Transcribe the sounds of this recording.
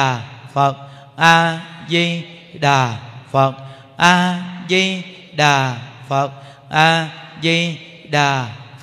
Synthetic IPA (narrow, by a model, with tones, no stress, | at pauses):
fə˨˩t̚ | ʔaː˧zi˧ɗaː˨˩fə˨˩t̚ | ʔaː˧zi˧ | ɗaː˨˩fə˨˩t̚ | ʔaː˧zi˧ | ɗaː˨˩f